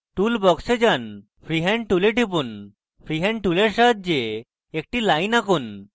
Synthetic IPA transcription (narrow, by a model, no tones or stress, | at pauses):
ʈulbɔksed͡ʑan | pʰɾiɦɛ̃ɳʈuleʈip̬un | pʰɾiɦɛɳɖʈuleɾsat̪̚d͡ʑeː | k̚ʈilajnakun